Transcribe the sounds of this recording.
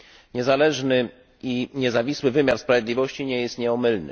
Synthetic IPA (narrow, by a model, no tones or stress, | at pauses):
ɲɛzalɛʐnɘ | iɲɛzavʲiswɘvɘmʲjaɾspɾavʲjɛd̪lʲivɔɕt͡ɕiɲɛjɛst̪ɲɛɔmɘlnɘ̰